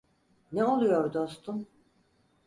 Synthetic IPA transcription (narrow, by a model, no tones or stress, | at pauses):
nɛo̞lˠujoɾd̪o̞st̪ʰum